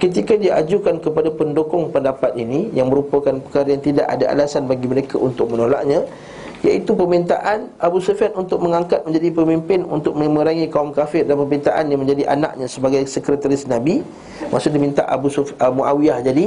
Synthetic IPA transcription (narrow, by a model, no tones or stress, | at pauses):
kət̪̬ikadiaʔad͡ʒukankəpadapəndokɔŋpəndapat̪̚inijaŋməɾupakanpə̥kaɾajaŋt̪ida̰ʔa̰daʔa̰lasanbaɡiməɾekaʔunt̪ʊk̚mənola̰ʔɲã | jaʔit̪upəmint̪aʔanʔabusofiat̪unt̪ʊk̚məŋaŋkat̪̚mə̃ɲd͡ʒadipəmimpɪnṵnt̪ʊk̚mə̃məɾaŋikaumkafɪrdanpəbint̪aʔanjaŋmə̃ɲd͡ʒadiʔa̰na̰ʔ̚ɲãsəbaɡajsəkɾət̪aɾɪsnabi | mʔa̰sudimint̪aʔa̰busumuawiahd͡ʒadi